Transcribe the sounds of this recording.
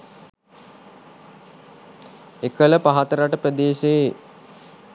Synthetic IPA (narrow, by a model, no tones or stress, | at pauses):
ekələpaɦat̪əɾaʈəprəd̪eːʃee